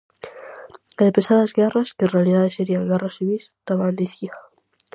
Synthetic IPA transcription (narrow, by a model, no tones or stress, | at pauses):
ðepesaðazɣeraskenrealiðaðeseɾiaŋɡerasiβist̪aβand̪iθia